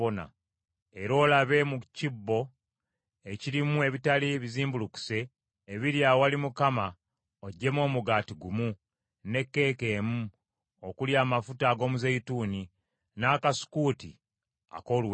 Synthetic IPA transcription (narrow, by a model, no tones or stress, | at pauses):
ona̰ | e̞ɾo̞ːlaβe̞mucibːo̞ | e̞ciɾimue̞βitaliβiziːmbuluku̥se̞ː | βiɾjawalimukama | oɟːe̞mo̞ːmuɡaːtiɡumu | ne̞kːe̞ːke̞ːmu | okuljaːmafutaːɡo̞ːmuzeituːni | naːkasu̥kuːtḭ | a̰ko̞ːlu